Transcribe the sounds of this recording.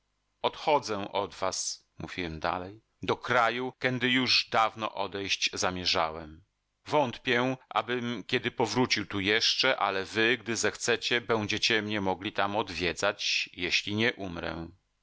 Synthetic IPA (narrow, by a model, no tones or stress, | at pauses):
ɔt̪xɔd̪zɛ̃ʔɔd̪vas | mṵvʲiwɛmd̪a̰lɛj | d̪ɔkɾajukʲɛnd̪ɘjuʐd̪avnɔ̰ʔɔd̪ɛjɕd͡ʑzamʲjɛʐa̰wɛm | vɔnt̪pʲjɛʔa̰bɘmkʲɛd̪ɘpɔvɾut͡ɕiwt̪ujɛʂt͡ʂɛʔa̰lɛvɘɡd̪ɘzɛxt̪sɛt͡ɕɛbɛ̃w̃d͡ʑɛt͡ɕɛmɲɛmɔɡlʲit̪amɔd̪vʲjɛd̪zat͡ɕjeɕlʲiɲɛʔumɾɛ̰